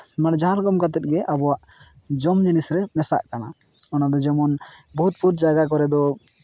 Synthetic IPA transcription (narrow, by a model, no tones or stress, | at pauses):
maɽd͡ʒaãɾɡɔmkat̪ɛt̪̚ˀɡɛʔabɔwaʔ | d͡ʒɔmd͡ʒinisɾɛmɛsa̰ʔkana̰ | ɔnad̪ɔd͡ʒɛmɔnbɔɦut̪̚puɾd͡ʒaɡakɔɾɛd̪ɔ